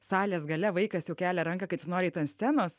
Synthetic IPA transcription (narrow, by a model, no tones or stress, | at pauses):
sɑːlʲeːsɡɐlʲɛʋɐɪkɐsjɛʊkʲæːlʲɛɾɐŋkɐkɐɪsʲɪnoːɾʲɛɪt̪ɐnsʲt̪ʲænoːs